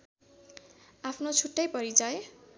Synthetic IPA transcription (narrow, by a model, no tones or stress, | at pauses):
apʰnot͡sʰuʈːʌjpʌɾid͡zʌe